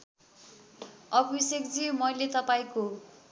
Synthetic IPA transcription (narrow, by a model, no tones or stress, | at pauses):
ʌbisekd͡zimʌjlet̪ʌpaĩko